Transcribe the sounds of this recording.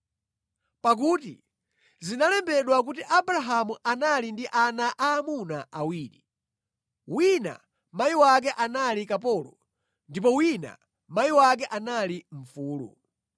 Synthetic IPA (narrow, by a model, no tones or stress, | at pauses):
pak̬utḭ | zinalɛmbɛɗwak̬utiʔabɾaɦamuʔanalindiʔanaʔaːmunaʔawiːɾi | wina̰ | majiwak̬ɛʔanalikap̬ɔlɔ | ndipɔwina̰ | majiwak̬ɛʔanaliɱ̩fuːlṵ